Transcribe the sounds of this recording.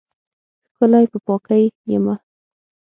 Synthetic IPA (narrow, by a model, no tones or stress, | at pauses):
xkəlajpəpɑkajjɪ̰ma